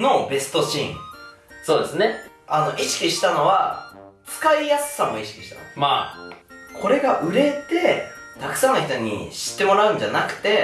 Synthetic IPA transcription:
no̞be̞sɨ̥t̪o̞t͡ɕḭ̃ | so̞ːd̪e̞sɨne̞ | ano̞ʔiɕi̥kʲiɕi̥t̪ano̞βat͡sɨ̥kaijasɨ̥ːamo̞iɕi̥kʲiɕi̥t̪a̰nomaː | kʰo̞ɾe̞ɡaʔɯ̟ɾe̞t̪e̞ | t̪akɯ̟̥sãnːoçʲit̪o̞ɲ̟ḭɕi̥t̪ːe̞mo̞ɾaɯ̟̃ɲ̟d͡ʑanakɯ̟̥t̪e̞

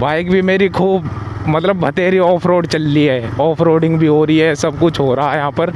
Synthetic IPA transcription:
baːɪkbʱimeːɾikʰuːb | mɐt̪ləbːɐt̪eːɾiɔːpʰɾoːɖt͡ʃɐlːiɦɛːɔːpʰɾoːɖɪ̃ŋɡbʱiɦoːɾiɦɛsɐbkʊt͡ʃʰɦoːɾaɦajɐɦãːpɐɾ

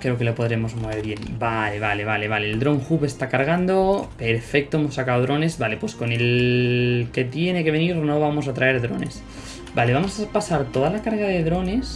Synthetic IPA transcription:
kɾe̞oke̞lopo̞ðɾe̞mo̞zmo̞β̞e̞ɾβje̞nbale̞β̞ale̞βale̞β̞ale̞ːld̪ɾo̞ŋxupe̞st̪akaɾɣ̞and̪o̞pe̞ɾfe̞k̚t̪o̞emo̞sːakaoðɾo̞ne̞sβale̞pwe̞sko̞ne̞l | ke̞t̪je̞ne̞ke̞βe̞niɾno̞β̞amo̞s̬at̪ɾae̞ɾðɾo̞̰ne̞s | bale̞βamosapasaɾt̪o̞ðalakaɾɣaðe̞ðɾo̞ne̞s

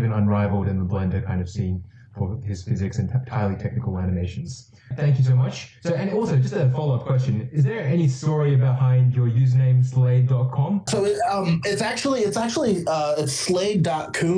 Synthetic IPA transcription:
bɨ̃nə̃nɹaɪvl̩ˠdɨ̃nðəblɛ̃ndə˞kʰãɪ̃ndʌv̥sĩn | fə˞ɪz̥fɪzɨksɨ̃ntʰaɪlˠitʰɛk̚nɨkl̩ˠænɨmeɪʃn̩z̥ | θæ̃ŋkjɨsoʊmʌt͡ʃsoʊɨ̃nɔlˠsoʊd͡ʒʌstɨfɑlˠʊʌp̚kʰw̥ɛs̬t͡ʃɨ̃nɨzðə˞ɛnistɔɹiɨbɨhãɪɪ̃nd͡ʒə˞jʉznẽɪ̃msleɪddɑt̚kʰɑ̃msoʊʌ̃mɪtsæk̚t͡ʃul̩ˠiɨtsæk̚t͡ʃul̩ˠiʌɪtsleɪddɑt̚kʰʉ

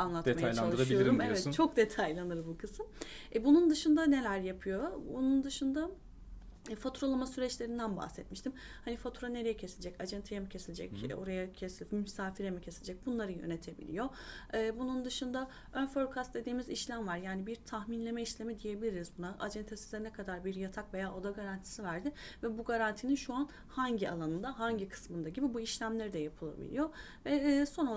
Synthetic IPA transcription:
anlˠat̪majajt͡ʃaaɯɾaioiɾumevɛt̪t͡ʃʰo̞k̚d̪e̞t̪ʰajlʲˠanɯɾbukʰɯsɯmbunund̪ɯʃɯnd̪ane̞lʲæɾjapʰɯjo̞bunund̪ɯʃɯnd̪a | fat̪ʰuɾolˠamasyɾɛt͡ʃlʲe̞ɾind̪ænba̰hsɛt̪̚miʃt̪im | hanifat̪ʰuɾane̞ɾe̞jɛcʰe̞silʲd͡ʒɛcad͡ʒɛnt̪ʰejemicʰe̞silʲd͡ʒɛ̰co̞̰ɾajacʰesilʲmysaːfiɾemicʰe̞silʲed͡ʒɛc̚bunlˠaɾɯjø̞̰ne̞t̪ʰe̞bḭlʲḭjo̞ɯːbunund̪ɯʃɯnd̪a | ønføɾkʰast̪d̪e̞d̪iːmiziʃlʲæmvaɾjaːnibiɾt̪ʰahminlʲe̞mɛiʃlʲe̞mid̪ije̞bilʲiɾizbunaʔa̰d͡ʒɛnt̪ʰesizd̪ɛnɛkʰad̪aɾbiɾjat̪ʰakve̞jaːʔo̞d̪aɡaɾant̪ʰi̥sivæɾd̪ɪvɛbuɡaɾant̪ʰininʃuan | haɲɟia̰lˠanɯnd̪aɦaɲɟikʰɯ̥smɯnd̪aɟibibuiʃlʲæmlʲe̞ɾid̪ɛjapʰɯlˠa̰bḭlʲḭjo̞ | vɛːso̞no

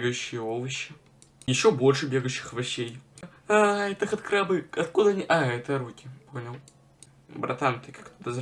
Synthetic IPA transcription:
ɡəjʉɕːɪjəovɨɕːɪ | jɪɕːobo̞lʲʂɨbʲeɡəjʊɕːɪ̥xvɐɕːej | at̪ɐxɐt̪kɾabɨɐt̪kud̪əɐnʲiʔaɛt̪əɾukʲɪponʲɪlˠ | bɾʔɐt̪ant̪ɨkḁkt̪od̪ɐz

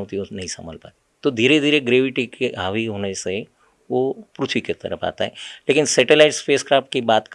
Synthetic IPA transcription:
ɦoːt̪ionɐɦĩsɐ̰mə̰lpa̰ːt̪it̪od̪ʱiːɾed̪ʱiːɾeɡɾeːʋɪʈikeaːʋiɦoːnese | ʋopɾut̪ʰʋiket̪ɐ̰ɾəpʰa̰ːt̪a̰ɦɛleːkɪnsɛːʈelaːɪʈspeːskɾaːpʈ̚kibaːt̪k

